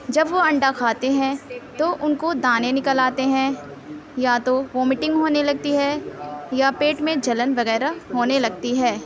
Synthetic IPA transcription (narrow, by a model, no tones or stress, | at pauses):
d͡ʒɐbʋoɐ̃ɳɖakʰaːt̪eɦɛ̃t̪oʔʊnkod̪aːnenɪkəlaːt̪eɦɛ̃ | jat̪oʋomɪʈɪ̃ŋɡɦoːnelɐɡ̚t̪iɦɛːjapeːʈmẽd͡ʒɐlənʋɐɣɛːɾaɦoːnelɐɡ̚t̪iɦɛː